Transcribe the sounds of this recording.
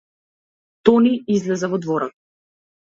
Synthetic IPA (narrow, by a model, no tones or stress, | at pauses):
t̪ɔniizlɛzɛvɔd̪vɔɾɔt̪̚